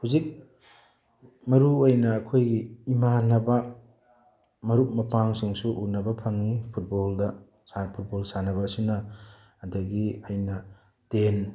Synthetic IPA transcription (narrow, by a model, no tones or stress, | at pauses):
huzik̚ | mɐɾuojnɐːkʰojɡiːmanɐbɐ | mɐɾuk̚mɐpaŋsuŋsuʔunɐbɐpʰɐŋipʰut̚boldɐ | sapʰut̚bolsanɐβɐsunɐː | dɐɡiɐjnɐ | ten